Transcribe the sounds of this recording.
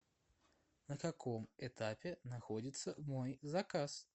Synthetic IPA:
nɐkakɔmɛt̪apʲɛnaxɔd͡zʲit̪sːɐmojzakas

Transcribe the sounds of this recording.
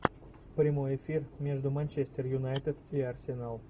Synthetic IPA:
pɾʲimojefʲirmʲeʒd̪umanʲt͡ʃesʲt̪ʲerjunajt̪ed̪iarsʲenalˠ

